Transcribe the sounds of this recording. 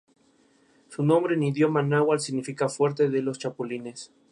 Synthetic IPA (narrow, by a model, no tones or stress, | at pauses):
sunõmbɾeniðjomanawalsiɣnifikafweɾt̪eðelost͡ʃapulines